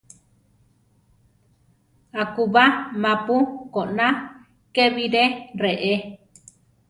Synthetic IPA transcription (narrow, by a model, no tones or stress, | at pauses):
akuβamãpukoʔnã | keβiɾereʔe